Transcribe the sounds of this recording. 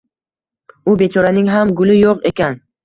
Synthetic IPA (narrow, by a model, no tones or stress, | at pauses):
ʊbe̞t͡ʃʰɒɾanɪŋɦamɡʊlɪjoqe̞kʲan